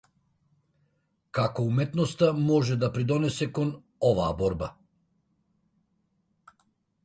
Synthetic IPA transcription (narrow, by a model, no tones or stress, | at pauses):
kakɔumɛt̪nɔst̪amɔʒɛd̪apɾid̪ɔnɛsɛkɔn | ɔvaːbɔɾba